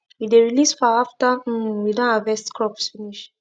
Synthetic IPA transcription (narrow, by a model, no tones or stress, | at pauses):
wideɹilisfaaftəwidɔ̃navɛstkɹɔpsfiniʃ